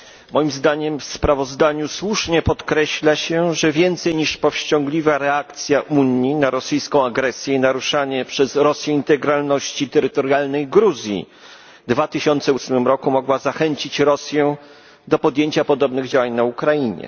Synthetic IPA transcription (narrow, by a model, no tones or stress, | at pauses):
mɔjimzd̪aɲɛmfspɾavɔzd̪aɲuswuʂɲɛpɔt̪kɾɛɕlaɕɛʐɛvʲjɛnt̪sɛjɲiʂpɔfɕt͡ɕɔ̃ŋɡlʲivaɾɛakt̪sʲjaʔuɲinaɾɔsɘjskɔ̃w̃aɡɾɛsʲjɛinaɾuʂaɲɛpʂɛzɾɔsʲjɛint̪ɛɡɾalnɔɕt͡ɕit̪ɛɾɘt̪ɔɾjalnɛjɡɾuzʲjḭ | d̪vat̪ɘɕɔnt̪sɛusmɘmɾɔkumɔɡwazaxɛɲt͡ɕit͡ɕɾɔsʲjɛ | d̪ɔpɔd̪jeɲt͡ɕapɔd̪ɔbnɘɣd͡ʑawaɲnaukɾajiɲɛ̰